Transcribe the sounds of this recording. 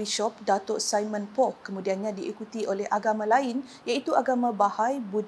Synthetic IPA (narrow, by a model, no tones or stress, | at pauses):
iʃɔp̚dat̪oʔsajmə̃npɔkːəmũdianɲãdiʔikut̪iʔolɛhʔaɡamãlain | jait̪uaɡamãbahajbud